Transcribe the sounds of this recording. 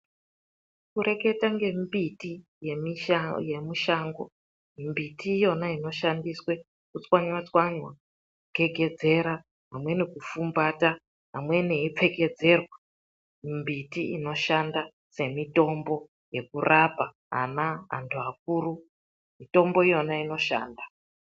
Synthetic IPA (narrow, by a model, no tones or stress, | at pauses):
kuɾe̞ke̞taŋɡe̞mbitijeje̞muʃaŋɡo̞̰ | mbitiːjo̞naino̞ʃandiswe̞ | kut͡swaɲwat͡swaɲwa | ke̞ɡʱe̞d͡ze̞ɾa | ɦamwe̞ne̞kufumbata | ɦamwe̞ne̞ip͡fe̞ɡe̞d͡ze̞rwa | mbitiḭno̞ʃanda | se̞mito̞mbo̞ | je̞kurapa | ɦa̰naa̰ntʰuak̚uːru | mito̞mbo̞ijo̞naino̞ʃa̰ːnda